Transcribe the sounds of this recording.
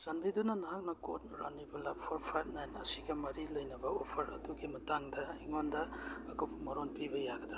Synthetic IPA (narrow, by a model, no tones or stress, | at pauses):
z̥anbidunɐnaɦak̚nɐko̰t̚nɾa̰nibɐlappʰoɾpʰajb̚najnɐsiɡɐmɐɾilɐjnɐbɐopʰɐɾɐ̰duɡimɐtaŋdɐiŋondɐːkupʰɐmɐɾonpibɐjaɡɐdɾa